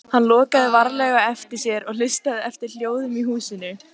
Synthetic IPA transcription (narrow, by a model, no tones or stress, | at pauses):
hanːlɔːkaðɪvaɾlɛɣaɛft̪ɪɾ̥sjɛɾɔɣl̥ɪst̪aðɪɛft̪ɪɾl̥joːwðʏmiɦuːsɪnːʏ